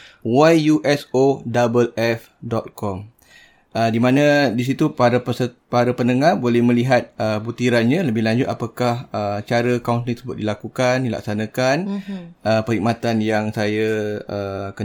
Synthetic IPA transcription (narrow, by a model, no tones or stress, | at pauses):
wajjuʔɛsodabəlɛf | dɔt̪̚kɔm | ədimãnadis̬it̪upaɾapəsəpaɾapənəŋahbolɛhmə̃liɦat̪̚əbut̪iɾanɲãləbɪhlaɲd͡ʒʊt̪̚apakahət͡ʃaɾəkauntlĩt̪səbʊt̪̚dilakukandila̰ksanãkanʔəpəɾik̚mat̪anjaŋsajaəkə